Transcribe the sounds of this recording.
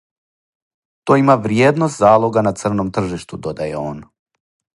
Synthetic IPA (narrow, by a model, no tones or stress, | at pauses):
t̪oimaʋɾjeːd̪nost̪zaːlˠoɡanat̪sr̩nomt̪r̩ʒiʃt̪ud̪od̪ajḛoːn